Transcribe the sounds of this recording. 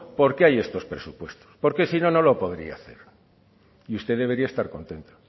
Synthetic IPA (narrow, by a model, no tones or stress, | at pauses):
po̞ɾke̞aje̞st̪o̞spɾe̞supwe̞st̪o̥spo̞ɾke̞sino̞no̞lo̞po̞ðɾḭa̰θe̞̰ɾ | iust̪e̞ðe̞β̞e̞ɾiaest̪aɾko̞̰nt̪e̞nt̪o̥